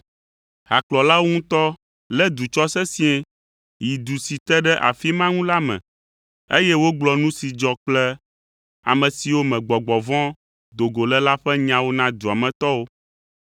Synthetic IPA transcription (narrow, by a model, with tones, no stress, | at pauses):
ɦa˨klɔ˨la˦wo˦ŋũ˦t̪ɔ˦ | lɛ˦d̪u˨t͡ʃɔ˦sɛ˦sĩ˦ɛ̃˦ | ji˨d̪u˨si˨t̪ɛ˦ɖɛ˦ʔa̰˨fi˦mã˦ŋũ˦la˦mɛ̰̃˨ | e˦jɛ˦wo˦ɡ͡blɔ˨nũ˦si˨d͡ʒɔ˨k͡plɛ˦ | a̰˨mɛ̃˨si˨wo˦mɛ̃˨ɡ͡bɔ˨ɡ͡bɔ˨vɔ̃˦ | d̪o˨ɡo˨lɛ˦la˦ɸɛ˦ɲã˦wo˦nã˦d̪u˨a˨mɛ̃˨t̪ɔ˦wo˦